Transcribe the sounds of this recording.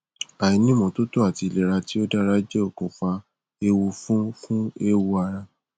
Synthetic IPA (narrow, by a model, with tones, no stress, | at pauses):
a˨i˧˦nĩ˦mɔ̃˨˧to˦to˦a˨ti˧le˨ɾa˧ti˦o˦da˦ɾa˦d͡ʒe˦o˦˨kõ˨fa˧ | e˧wu˧fũ˦fũ˦e˦wu˧a˧ɾa˧